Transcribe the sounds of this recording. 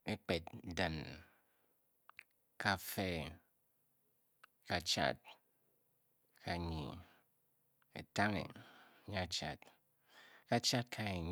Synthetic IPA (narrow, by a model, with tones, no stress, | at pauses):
e˦k͡pe˨tdɨ˨n | ka˦˨fe˦ | ka˨t͡ʃa̰˦t̚ | kʰa˨ɲḭ˨ | ḛ˨ta˦ŋḛ˨˦ɲa˦t͡ʃa̰˨t | ka˦t͡ʃa˦t̚kʰa˦e˨ɲ